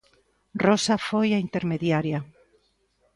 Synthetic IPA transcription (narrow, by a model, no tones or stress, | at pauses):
rosafojaint̪eɾmeðjaɾja